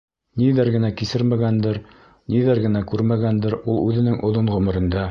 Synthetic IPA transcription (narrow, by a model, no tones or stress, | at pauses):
niðæɾɡɘ̆nækisɘɾmæɡænd̪ɘɾ | niðæɾɡɘ̆nækʉɾmæɡænd̪ɘɾulˠʉðɘ̆nɘŋʔŏðoɴʁɵ̆mɘ̆ɾɘ̆nd̪æ